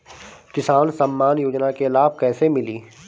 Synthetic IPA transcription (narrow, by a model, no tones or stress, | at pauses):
kɪsaːnsɐmːaːnjoːd͡ʒnakelaːb̚kɛːsemɪliː